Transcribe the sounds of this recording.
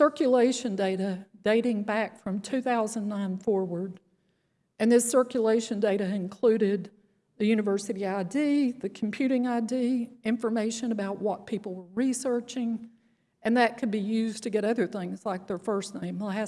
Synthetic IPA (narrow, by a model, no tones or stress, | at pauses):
sɜ˞kjɨleɪʃɨ̃ndeɪɾɨd̥eɪɾɪ̃ŋbækfɹʌ̃mtʰʉθaʊzə̃nnːãɪ̃nfɔɹwə˞d | ɨ̃nðɪsɜ˞kjəleɪʃɨ̃ndeɪɾɨɨ̃nkʰl̥ʉɾɪd̪̚ | ðɨjʉñɨvɜ˞sɨɾiaɪdiðɨkʰm̩pʰj̥ʉɾɪ̃ŋaɪdiɪ̃ɱfə˞meɪʃɨ̃nɨbaʊʔ̚wʌt̚pʰipl̩ˠwə˞ɹisɜ˞t͡ʃɪ̃ŋ | ɨ̃nðɨt̚kʰɨd̚bijʉztʰɨɡɛɾʌðə˞θɪ̃ŋzlaɪk̚ðə˞fɜ˞snẽɪ̃mlæ